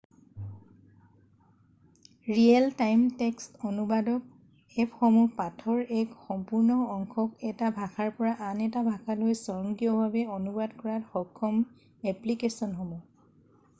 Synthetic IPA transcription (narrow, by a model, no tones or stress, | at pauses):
ɹiɛltajmtɛkstɔnubadɔk̚ | ɛpxɔmupatʰɔɹɛkxɔmpuɹnɔɔŋkʰɔkɛtabʱakʰaɹpɔɹaʔanɛtabʱakʰalojsɔɹɔŋɡijɔbʱabɛɔnubadkɔɹatxɔkʰːɔm | ɛplikesɔnxɔmɔ